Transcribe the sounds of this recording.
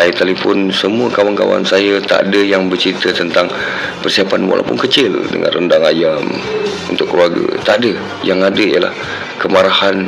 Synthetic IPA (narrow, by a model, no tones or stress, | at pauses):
ait̪alifɔnsəmuəkawanka̰wa̰nsajat̪a̰ʔa̰dəjaŋbərt͡ʃəɾit̪ət̪ənt̪aŋ | pərsiapanwa̰la̰wpʊnkət͡ʃɪldə̰ŋa̰nrəndaŋajam | ṵnt̪ʊkːəluaɡə̰t̪aʔdə | jaŋadəijəla̰h | kəmaɾahan